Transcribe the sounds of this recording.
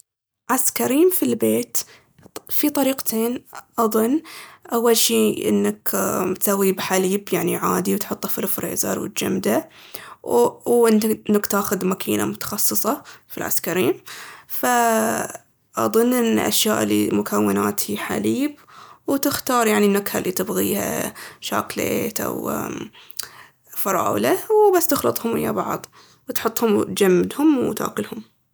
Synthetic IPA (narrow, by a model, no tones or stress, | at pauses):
ʕaskaɾiːmfilbeːt̪ | fit̪ˤɑɾiːqt̪ʰeːnʔɑðˤʊnːʔawːalʃiːʔɪ̰nːakt̪sawːibħaliːbjaʕniʕaːd̪iwt̪ħʊt̪ˤːɑfɪlfɾḛːzɑ̰ɾˤwɪ̰t̪̚d͡ʒa̰md̪a | wʔɪnnːakt̪aːxʊd̪makʰiːna̰mʊt̪ɑ̥xɑsˤːɨsˤɑfḭlʕa̰skaɾiːmfa | ʔɑ̰ðˤʊnːʔɪn̰ːʔa̰ʃjaːʔlimʊkʰawːɪnaːt̪hiħa̰liːbwt̪ɪxt̪ɑːɾˤjaʕninːakhalːit̪ɪbɣiːha̰ʃa̰ːklḛːt̪ʔa̰w | fɑɾˤɑ̰ːwlawbasːt̪ɪxlɨt̪ˤhʊmʔɪ̰jːa̰bɑʕðˤ | wt̪ħʊt̪ˤːhʊmt̪d͡ʒamːɪd̪hʊmwt̪a̰ːkʊlhʊm